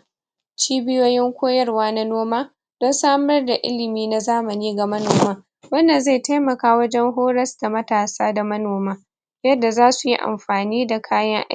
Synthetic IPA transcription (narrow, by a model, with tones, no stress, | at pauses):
t͡ʃiː˦bɪ˦joː˦jɪ˦ŋkʷoː˦jɐ˦rwaː˦na˦noː˦maː˦ | d̥ɔ˦nsaː˦mɐ˦rda˨ʔɪ̰˦lɪ˨miː˦na˦zaː˦mɐ˨niː˦ɡa˨mɐ˦noː˨maː˦ | wɐ˦nːa˨nza˦˨jta˦jmɐ˨kaː˦wɐ˦d͡ʒɛ˦ŋɦoː˦ɽɐ˦sda˨mɐ˦taː˨saː˦da˨mɐ˦noː˨maː˦ | jɐ˦dːa˨zaː˦su˨ji˦ʔa̰˨mɸaː˨niː˦da˨kʰaː˦jɐ˦ŋʔ